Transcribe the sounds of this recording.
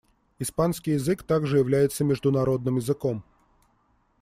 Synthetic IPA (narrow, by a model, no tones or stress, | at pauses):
ispanskʲijɪzɨkt̪aɡʐɨjɪvlʲæjɪt̪səmʲɪʐd̪ʊnɐɾo̞d̪̚nɨmjɪzɨkom